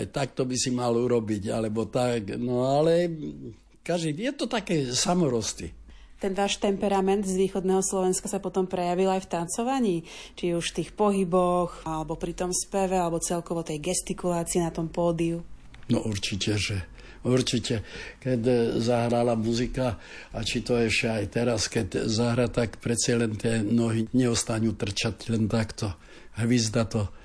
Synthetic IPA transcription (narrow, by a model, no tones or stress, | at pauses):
ajt̪ak̚t̪ɔbisimaluɾɔbiɟa̰lɛbɔt̪aknɔalɛ | kaʒd̪ijɛt̪ɔt̪akɛːsamɔɾɔst̪ḭ | t̪ɛnʋaːʃt̪ɛmpɛɾamɛnd̪zʋiːxɔd̪nɛːɦɔslɔʋɛnskasapɔt̪ɔmpɾɛjaʋilajft̪ant͡sɔʋaɲiːt͡ʃiuʃft̪iːxpɔɦibɔxalɛbɔpɾit̪ɔmspɛʋɛalɛbɔt͡sɛlkɔʋɔt̪ɛjɡɛst̪ikulaːt͡siinat̪ɔmpɔːd̪iu | nɔʔuɾt͡ʃicɛʒɛ | uɾt͡ʃicɛkɛtzaɦɾalamuzika | at͡ʃit̪ɔɛʃɛajt̪ɛɾaskɛtzaɦɾat̪akpɾɛt͡sjalɛnt̪ɪɛnɔɦiɲɛɔst̪aɲuːt̪r̩t͡ʃatlɛnt̪akt̪ɔ | ɦʋizd̪at̪ɔ